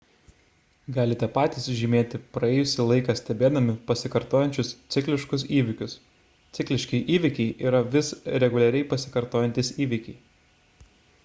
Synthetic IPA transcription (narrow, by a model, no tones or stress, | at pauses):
ɡɑːlʲɪt̪ʲɛpɑːt̪ʲiːsʒʲɪmʲeːt̪ʲɪpɾɐɛːjʊsʲɪlˠɐɪkɑsʲt̪ʲɛbʲeːd̪ɐmʲɪpɐsʲɪkɐɾt̪oːjɛnʲt͡ʃʲʊst̪sʲɪkʲlʲɪʃkʊs̬iːʋʲɪkʲʊs | t̪sʲɪklʲɪʃʲkʲɪʔiːʋʲɪkʲɛɪʔiːɾɐʋʲɪsɾʲɛɡʊlʲɛɾʲɛɪpɐsʲɪ̥kɐɾt̪oːjɛnʲt̪ʲiːsiːʋʲɪkʲɛɪ